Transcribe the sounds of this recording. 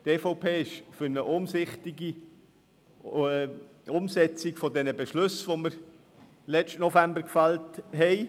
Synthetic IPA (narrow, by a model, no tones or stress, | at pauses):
teːfoʊpʰeːɪʃfʏɾnəʔʊmsɪχt̪ɪɡi | ʊmsɛt͡siɡfɔdɛnəbeʃlɵsʋoməɾ | lɛt͡ʃtnɔfæmbəɾkfɑltɦɛɪ